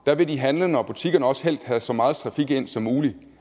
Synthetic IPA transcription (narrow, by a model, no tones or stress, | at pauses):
d̥æʋe̝diɦænlənɒb̥ut͡sʰiɡ̥ɐnəɒ̽sə̥hel̰d̥hæsɒ̽mɑ̈ːð̞̩ˠt͡sʰʁɑ̈fiɡ̥e̝n̰sɒ̽mːuːli